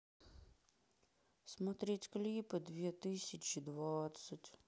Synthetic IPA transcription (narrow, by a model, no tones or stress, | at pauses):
smɔt̪ɾʲitʲklʲipɨd̪ʋʲit̪ɪsʲɐt͡ʃid̪ʋɔt̪sətʲ